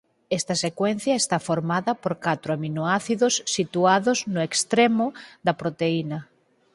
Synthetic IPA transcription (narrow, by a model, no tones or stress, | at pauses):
ɛst̪ɐsekwɛn̟θjɐest̪afoɾmaðɐpoɾkat̪ɾʊaminoaθiðʊsːit̪uaðʊznʊekst̪ɾemʊðɐpɾot̪einɐ